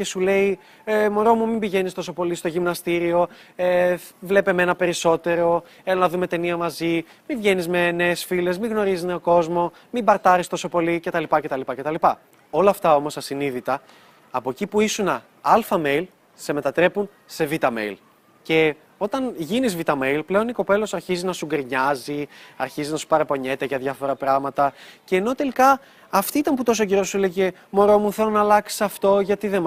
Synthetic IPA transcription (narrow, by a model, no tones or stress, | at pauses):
ce̞sule̞i | emo̞ɾo̞mumimbiʝe̞nist̪o̞so̞po̞list̪oʝimnɐst̪iɾio̞evle̞peme̞nɐpe̞ɾiso̞t̪e̞ɾo̞ | elonɐðume̞t̪e̞niɐmɐzi | mivʝe̞nizme̞ne̞ːsfile̞zmiɣno̞ɾizizne̞oko̞zmo̞ | mimbɐɾt̪ɐɾist̪o̞so̞po̞lice̞t̪ɐlipɐce̞t̪ɐlipɐce̞t̪ɐlipɐ | o̞lɐːft̪ɐo̞mo̞sɐsiniðit̪ɐː | poecipuisunɐ | ɐlfɐme̞jl | se̞me̞t̪ɐt̪ɾe̞pun | se̞vit̪ɐme̞̰jl | ce̞ | o̞t̪ɐnʝinizvit̪ɐme̞jlple̞o̞niko̞pe̞lo̞sɐɾçizinɐsuɡɾiɲɐziɐ̰ɾçiziznɐsu̥pɐɾepo̞ɲe̞t̪eʝɐðʝɐfo̞ɾɐpɾɐɣmɐt̪ɐce̞ːno̞t̪e̞likɐː | ft̪iit̪ɐnput̪o̞s̬oceɾo̞suleʝe̞ | mo̞ɾo̞muθe̞lonɐːlɐksi̥sɐft̪o̞ʝɐt̪iðem